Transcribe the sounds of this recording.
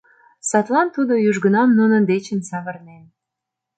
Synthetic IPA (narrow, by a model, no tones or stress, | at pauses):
sɑt̪lɑnt̪ud̪ojyʒɡə̆nɑmnunə̆nd̪et͡ɕənsɑβə̆rnen